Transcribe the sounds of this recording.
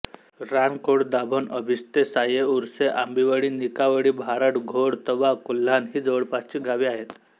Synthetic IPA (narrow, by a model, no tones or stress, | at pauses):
ɾankoɽd̪abʱənəbʱist̪esajeuɾseʔambiʋəɽiːnikaʋəɽiːbʱaɾəʈɡʱoɽt̪əʋakul̤ːanɦiːd͡zəʋəɽpast͡ɕiːɡʱaʋiːaɦet̪